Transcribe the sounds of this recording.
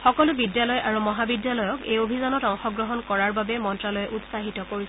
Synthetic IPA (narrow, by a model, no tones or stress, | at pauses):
xɔkɔlʊbidjalɔjʔaɹumɔɦabidjalɔjɔkejobʱizanɔtaŋxɔɡɹɔɦɔnkɔɹaɹbabɛmɔntɹalɔjɛʔutsaɦitɔkoɹis